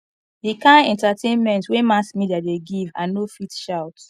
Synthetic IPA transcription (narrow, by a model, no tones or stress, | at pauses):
dikãɛ̃ntatʰẽnmɛ̃ntwemaskmidadeɡivãnofitʃaʊt